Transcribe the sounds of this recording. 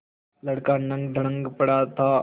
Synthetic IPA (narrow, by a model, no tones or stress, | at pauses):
lɐɽkanɐ̃ŋɡɖ̪ʱəɽə̃ŋɡpɐɽat̪ʰaː